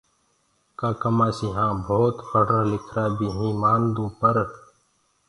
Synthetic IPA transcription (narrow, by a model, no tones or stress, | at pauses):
kaːkəmaːsiːɦãːbʱoːt̪pʰəɽãlɪkʰɾaːbiːɦĩːmãːnd̪ũːpəɾ